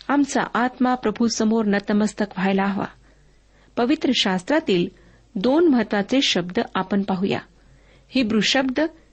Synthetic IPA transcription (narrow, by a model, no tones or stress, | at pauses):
amt͡sa̰ʔat̪mapɾəbʱusəmoɾnət̪əməst̪ʰəkʋ̤ʱajlaɦʋa̰ | pəʋit̪ɾəɕast̪ɾat̪iːl | d̪onməɦət̪ːʋat͡seɕəbd̪ʱəapənpaɦuja̰ | hibɾuɕəbd̪ʱə